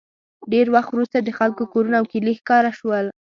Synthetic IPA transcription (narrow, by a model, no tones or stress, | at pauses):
ɖeɾwaxt̪wɾust̪ad̪əxalkokoɾunaːwkilixkɑɾaʃwəl